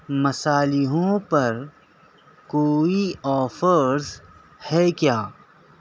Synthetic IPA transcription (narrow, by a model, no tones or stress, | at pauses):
mɐsaːlɪɦõpɐɾ | koːiɔːfəɾz | hɛkjaː